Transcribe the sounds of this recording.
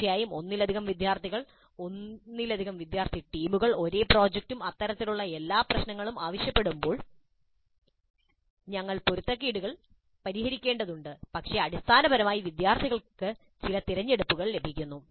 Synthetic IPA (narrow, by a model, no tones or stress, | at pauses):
ɐjaːjumo̞nːilɐd̪ʱiɣɐmʋid̪jaːrt̪ʰiɣɐɭ | o̞nːilɐd̪ʱiɣɐmʋid̪jaːrt̪ʰiʈiːmuɣɐɭo̞ɾe̞ːpro̞ːd͡ʑek̚tumɐt̪ːɐɾɐt̪ːiluɭːɐe̞lːaːprɐɕnɐŋːɐɭumaːʋɐɕjɐpːe̞ɽumbo̞ːɭ | ɲɐŋːɐɭpoɾut̪ːrɐkːiːɽuɣɐɭ | pɐɾihɐɾikʲːe̞ːɳɖɐðuɳɖɨpɐkʂe̞ɐɽist̪ʰaːnɐbɐɾɐmaːjiʋid̪jaːrt̪ʰiɣɐɭkɨ | t͡ɕilɐt̪iɾɐɲːe̞ɽupːuɣɐɭle̞bʱikʲːunːu